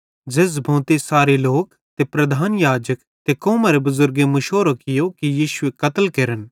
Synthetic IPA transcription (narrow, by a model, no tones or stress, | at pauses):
d͡ʒeːs̬bʱõːt̪esaːɾeloːk | t̪epɾɐd̪ʱaːnjaːd͡ʒək | t̪ekɔːmaːɾebɐzʊɾɡemɐʃoːɾokɪjokijiːʃʊekɐt̪əlkɐɾən